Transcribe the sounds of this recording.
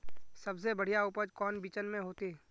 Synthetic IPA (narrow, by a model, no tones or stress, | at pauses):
sɐbsebəɽ̤ijaʊpəd͡ʒkɔːnbiːt͡ʃənmẽɦoːt̪e